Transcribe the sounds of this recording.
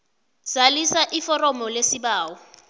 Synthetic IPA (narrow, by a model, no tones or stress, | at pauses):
z̥alisaʔifɔrɔmɔlesibaːwɔ